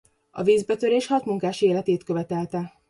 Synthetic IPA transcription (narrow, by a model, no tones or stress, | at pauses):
ɒ̰viːzbɛt̪øɾeːʃhɒt̪muŋkaːʃeːlɛt̪eːt̪kø̞vɛt̪ɛlt̪ɛ